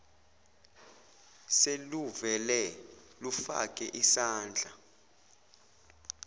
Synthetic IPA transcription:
seluvɛlɛ | lufa̰kʼɛʔisaːnd͡ɮʱa

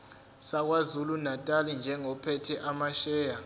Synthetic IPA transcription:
sak̬wazulunatʼalind͡ʒʱɛŋɔpʰɛtʰɛʔamaʃɛːja

